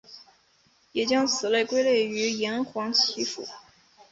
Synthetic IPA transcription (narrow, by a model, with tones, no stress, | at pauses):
jɛ˨˩t͡ɕjɑ˥ŋt͡sʰɹ̩˨˩le˥˩ɪkwe˥ɪle˥˩ɪy˧˥jɛ˧˥nxwɑ˧˥ŋt͡ɕʰi˧˥fṵ˨˩˦